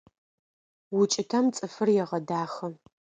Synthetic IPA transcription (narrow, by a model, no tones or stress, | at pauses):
wʊt͡ʃʼɪtʰɐmt͡sʼɨfɨrjɛʁɐdaːxɐ